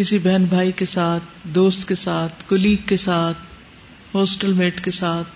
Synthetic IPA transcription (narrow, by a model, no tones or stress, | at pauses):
kɪsibɛɦnbʱaːikesaːt̪̚ʰd̪oːst̪kesaːt̪̚ʰkʊliːkkːesaːt̪̚ʰ | hoːsʈəlmeːʈkesaːt̪̚ʰ